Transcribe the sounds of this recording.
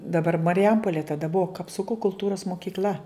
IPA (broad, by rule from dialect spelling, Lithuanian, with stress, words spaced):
dɐˈbɐr mɐrʲɪˈjɛmpoːlʲeː tɐˈdɐ ˈbʊʋoː kɐpˈsʊkoː kʊlˠˈtuːroːs moːkʲiːkˈlʲɐ